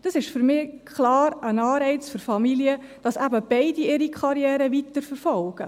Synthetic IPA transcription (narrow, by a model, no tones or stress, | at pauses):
d̥ɑsɪʃfʏɾmɪːkʰχlɑːɾənɑːɾɛɪt͡sføɾfɑmiliə | d̥ɑsæbəb̥ɛɪdiɪɾikʰɑɾjɛːɾəʋit̪əɾfəɾfɔlɡ̥ə